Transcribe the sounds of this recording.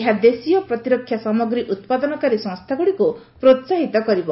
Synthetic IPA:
ɦad̪esijɔpɾɔt̪iɾɔkʰːjasamɔɡɾiʔut̪pad̪ɔnɔkaɾisɔ̃ŋst̪ʰaɡuɽiku | pɾot̪saɦit̪ɔkɔɾibɔ

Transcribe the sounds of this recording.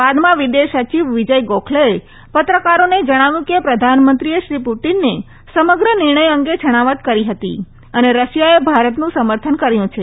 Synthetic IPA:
ʋad̪mãʋid̪eʃət͡ʃiʋʋid͡ʒəjɡokʰlee | pət̪ɾəkaɾoned͡ʒəɽ̃aʋjũkepɾəd̪ʱanmənt̪ɾieʃɾipuʈinːe | səməɡɾənɪɾɳ̃əjəŋɡed͡ʒʰʱəɽ̃aʋət̪kəɾiɦət̪ḭ | əneɾəʃjaebʱaɾət̪nũsəməɾt̪ʰənkəɾjũt͡ʃʰe

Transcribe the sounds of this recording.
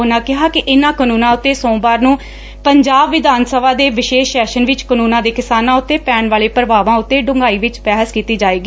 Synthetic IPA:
onãːkɪɦaːkɪʔɪnãːkənũːnãːʊt̪ːeːsõːbaːɾnũː | pəɲd͡ʒaːbʋɪd̪aːnsəbaːd̪eːʋɪʃeːʃɛːʃənʋɪt͡ʃkənuːnãːd̪eːkɪsaːnãːʊt̪ːeːpɛːnʋaːleːpɾəbaːʋãːʊt̪ːeːɖʊ̃ŋɡaːiːʋɪt͡ʃpɛːɦəskiːt̪iːd͡ʒaːeːɡiː

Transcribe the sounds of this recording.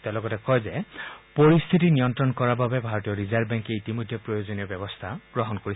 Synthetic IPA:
tɛ̃lɔɡɔtɛkɔjzɛpoɹist̪ʰitinijɔntɹɔnkɔɹababɛbʱaɹɔtijɔɹizaɹbɛŋkeitimojd̪ʱjɔpɹojozoniɔbɛbɔst̪ʰaɡ̥ɹɔɦɔnkoɹi

